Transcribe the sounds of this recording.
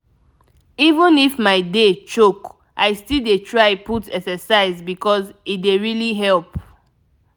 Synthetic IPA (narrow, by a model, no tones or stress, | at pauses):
ivə̃nifmaɪdet͡ʃok | ʔaɪstildetʰɹaɪputɛksɛsaɪzbikɔzit̚deɹiliɦɛlp